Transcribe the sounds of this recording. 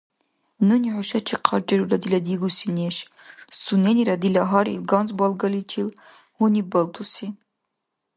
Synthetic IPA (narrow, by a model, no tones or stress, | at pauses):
nɨniʕuʃɐt͡ʃʰiqʰɑɾd͡ʒʼɛɾuɾad̪ilɐd̪iɡusineʃ | suneniɾad̪ilaɦɑɾḭlɡɑnzbɑlɡɐlit͡ʃʰil | hunibɐlt̪ʰusi